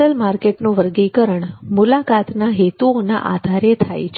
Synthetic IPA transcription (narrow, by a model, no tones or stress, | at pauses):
əlmaɾkeʈnũʋəɾɡikəɾəɳmulakat̪naɦet̪uona̰ʔa̰d̪ʱaɾet̪ʰa̰jt͡ʃʰ